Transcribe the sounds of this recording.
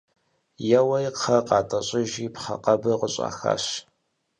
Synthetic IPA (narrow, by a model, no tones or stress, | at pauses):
jɛwɐjqʰːɐqɑːtʼɐɕʼɪʒiːpχɐ̰qɐbɨqəɕʼa̰ːxa̰ːɕ